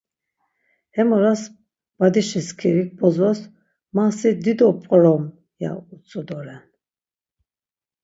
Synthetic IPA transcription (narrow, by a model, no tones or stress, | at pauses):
hɛmɔɾas | b̥ad̪iʃiskʰiɾik̚bɔzɔs | masid̪id̪ɔpʼqʼɾɔm | ja̰ut͡sʼɔd̪ɔɾɛn